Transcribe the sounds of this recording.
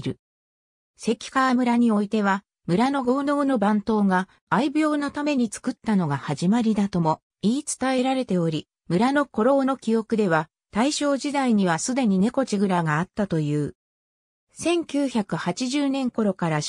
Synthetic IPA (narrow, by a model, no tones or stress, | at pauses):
ɾɯ̟ | se̞kʲi̥kamɯ̟ɾaɲ̟io̞it̪e̞β̞a | mɯ̟ɾano̞ɡo̞ːno̞ːno̞bãnt̪o̞ːɡaː | ibʲo̞ːnat̪ame̞ɲ̟it͡sɨ̥kɯ̟t̪ːano̞ɡahaʑimaɾʲid̪at̪o̞mo̞ | iːt͡sɨ̥t̪ae̞ɾaɾe̞t̪e̞o̞ɾʲi | mɯ̟ɾano̞ko̞ɾo̞ːno̞kʲio̞kɯ̟d̪e̞βa | t̪aiɕo̞ːʑid̪aiɲ̟iβ̞asɨd̪e̞ɲ̟ine̞ko̞t͡ɕiɡɯ̟ɾaɡaːt̪ːat̪o̞jɯ̟ː | sẽ̞ŋkʲɨːçakɯ̟hat͡ɕiʑɨːnẽ̞ŋko̞ɾo̞kaɾa